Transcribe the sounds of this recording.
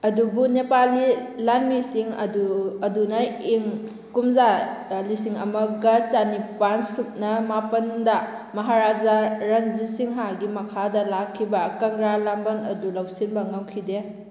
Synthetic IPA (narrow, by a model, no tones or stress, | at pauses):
ɐdubunepalilanmisiŋɐ̰duɐdunaiŋ | kumzalisiŋɐ̰mɐɡɐt͡ʃanipansup̚nɐmapɐnda | mɐɦaɾazaɾaŋzisiŋɦaɡimɐkʰadɐlakʰːibɐkɐŋɾalambɐnɐdulawsinbɐŋawkʰide